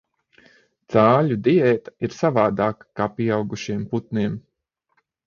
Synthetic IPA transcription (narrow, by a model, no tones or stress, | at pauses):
t̪saːʎʲud̪iɛːt̪ḁiɾsavaːd̪aːkkaːpiɛawɡuʃiɛmput̪̚niɛm